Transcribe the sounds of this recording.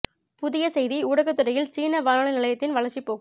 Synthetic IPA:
pʊðɪjɐsɛjðiuːɽɐɣɐt̪ːɯɾɐjɪlt͡ʃiːnɐʋaːnɐɭɐnɪlɐjɐt̪ːɪnʋɐlɐɾt͡ʃipːoːɣɯm

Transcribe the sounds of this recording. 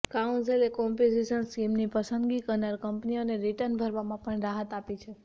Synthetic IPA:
kaũɳselekɔmped͡ʒiʃənskimnipəsə̃nd̪ɡikəɾnaɾkəmpnioneɾiʈəɾnbʱəɾʋamãpəɳɾaɦət̪apit͡ʃʰe

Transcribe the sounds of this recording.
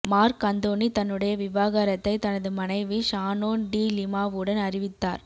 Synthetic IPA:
maːɾkɐnd̪oːnit̪ɐnːɯɽɐjɐʋɪʋaːɣaːɾɐt̪ːɐɪt̪ɐnɐðɯmɐnɐɪʋiʂaːnoːnɖiːlɪmaːʋɯɽɐnɐɾɪʋɪt̪ːa̰ːɾ

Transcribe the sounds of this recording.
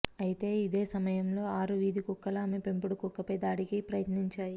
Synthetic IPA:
ɐjit̪e̞ːid̪e̞ːsɐmɐjɐmlo̞ːaːɾuʋiːd̪ʱikukːɐlaːmepe̞mpuɽukɔkːɐpɐjd̪aːɽikipɾɐjɐt̪niɲt͡ʃaːji

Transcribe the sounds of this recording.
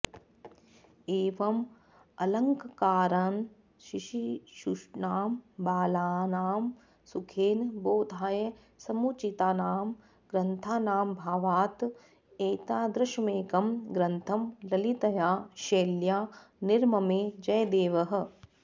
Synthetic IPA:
eːʋɐm | ɐlɐŋkkaːɾaːn | ʃiʃiʃuʃnaːmbaːlaːnaːm | sukʰeːnboːd̪ʱaːjɐ | sɐmut͡ʃit̪aːnaːm | ɡ̥ɾɐnt̪ʰaːnaːmbʱaːʋaːt̪ | eːt̪aːd̪ɾɐʃɐmeːkɐmɡɾɐnt̪ʰɐmɾɐlit̪ɐjaːʃeːljaːniɾmɐmeːd͡ʒɐjd̪eːʋɐɦɐ̆

